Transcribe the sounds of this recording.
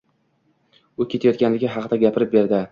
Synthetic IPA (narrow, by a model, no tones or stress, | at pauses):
ʊkʲe̞t̪ʰajɒt̪̚ɡʲanlɪɡʲɪɦɑqd̪aɡʲapʰɪɾɪp̚be̞ɾd̪ɪ